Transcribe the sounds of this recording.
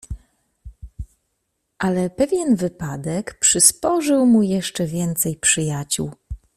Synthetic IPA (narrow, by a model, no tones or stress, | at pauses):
ʔalɛpɛvʲjɛnvɘpad̪ɛkpʂɘspɔʐɘwmujɛʂt͡ʂɛvʲjɛnt̪sɛjpʂɘjat͡ɕṵw